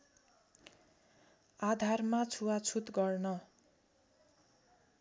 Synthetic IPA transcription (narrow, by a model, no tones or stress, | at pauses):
ad̪ʱarmat͡sʰuwat͡sʰut̪ɡʌrnʌ